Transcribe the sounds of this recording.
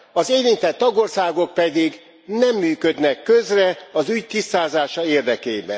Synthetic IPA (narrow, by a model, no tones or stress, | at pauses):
ɒzeːlint̪ɛt̪ːɒɡo̞rsaːɡo̞k̚pɛd̪iɡ | nɛmːyːkød̪nɛkːøzrɛɒzyɟt̪ist̪aːzaːʃɒeːrd̪ɛkeːbɛ̰n